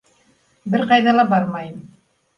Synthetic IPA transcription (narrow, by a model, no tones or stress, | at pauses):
bɘɾqɑjðɑlˠɑbɑɾmɑjɤm